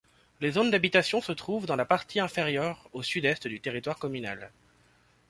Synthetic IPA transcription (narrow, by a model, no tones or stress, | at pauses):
lezond̪abit̪asjɔ̃sət̪χuvd̪ɑ̃lapaʁt̪ʰiɛ̃feʁjœʁosyd̪ɛst̪d̪yt̪eʁit̪waʁkɔmyna̰l